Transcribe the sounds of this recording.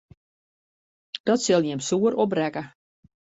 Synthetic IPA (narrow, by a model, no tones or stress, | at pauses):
d̥ɔtsɪlˠjɪmsuəɾɔprɛkə